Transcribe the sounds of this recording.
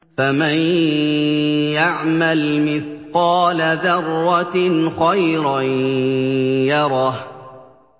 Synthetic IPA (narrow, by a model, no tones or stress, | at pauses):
faman | jaʕmalmɪθqɑːlaðɑrˤːɑnqɑjɾa | jɑɾˤɑːh